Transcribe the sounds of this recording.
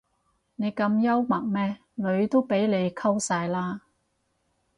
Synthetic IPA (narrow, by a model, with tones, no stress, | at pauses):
ne˨˧jkɐ˧mjɐ˥wmɐ˨˩ŋmɛː˥ | lɵ˨˧ɥt̪o˥wpe˨˥jle˨˧jkʰɐ˥wsaː˧jlaː˥